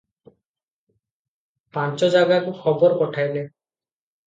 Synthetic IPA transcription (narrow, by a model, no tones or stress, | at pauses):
pant͡ʃɔd͡ʒaɡakuxɔbɔɾpɔʈʰajle